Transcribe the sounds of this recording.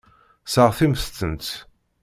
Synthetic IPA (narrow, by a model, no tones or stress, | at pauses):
səʁθimst̪ːənt̪